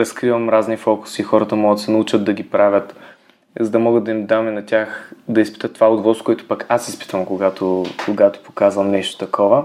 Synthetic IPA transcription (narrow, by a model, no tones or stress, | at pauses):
ɾɐskɾivɐmɾaznifɔkʊ̥siːxɔɾət̪əmɔɡət̪sɛnɐut͡ʃəd̪̚d̪ɐɡʲipɾavʲət̪ | zɐd̪ɐmɔɡəd̪d̪ɐimd̪aminɐtʲaxd̪ɐispi̥t̪ət̪ːovaod̪vɔskʊɛt̪ʊ̥pakʰasispi̥t̪vəmkʊɡat̪okʊɡat̪o̥po̥kazvɐmnɛʃt̪o̥t̪ɐkʰɔvə